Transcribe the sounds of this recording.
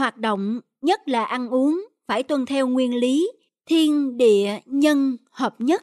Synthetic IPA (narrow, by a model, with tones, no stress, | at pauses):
hwaː˨˩t̚ɗo̰˧˨wŋ͡m | ɲə˦˥t̚laː˨˩ʔa˧nʔu˨˦əŋ | faː˧˩jt̪wə˨˩nt̪ʰɛ˧wŋwi˧ənli˨˦ | t̪ʰi˧ənɗḭ˧˨əɲə˧nhəː˨˩p̚ɲə˦˥t̚